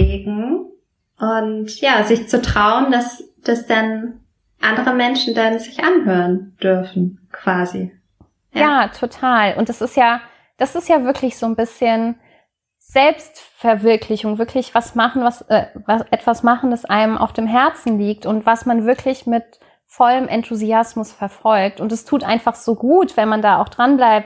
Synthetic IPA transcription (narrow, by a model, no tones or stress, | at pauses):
ɪɡŋ̩ | ʔʊntjaːzɪçt͡sutʁ̥aʊəndasd̥asd̥an | ʔandəʁəmɛnʃn̩danzɪçʔanhøːʁənd̥ʏɐfn̩kv̥aːzḭ | jaːtʰotʰaːlʔʊ̰ntd̥asɪstjaː | d̥asɪstjaːvɪɐkʰlɪçz̥oːnbɪsçən | z̥ɛlpstfɛɐvɪɐkʰlɪçʊŋvɪɐklɪçv̥asmaχn̩vasʔɛːvasʔɛtv̥asmaχn̩dasʔa̰ɪnəmʔa̰ʊfd̥eːmɦɛɐt͡sn̩liːk̚tʊntv̥asmanvɪɐkʰlɪçmɪt | fɔləmʔɛntʰuziasmʊsfɛɐfɔlk̚tʊntdɛstʰuːtʔa̰ɪnfaχz̥oːɡuːtv̥ɛnmandaːa̰ʊxd̥ʁanblaɪp̚t